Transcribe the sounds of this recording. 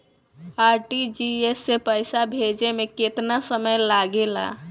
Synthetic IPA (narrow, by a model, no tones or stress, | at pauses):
aɾʈid͡ʒiesːepəjsabʱed͡ʒemeket̪nasəməjlaɡela̰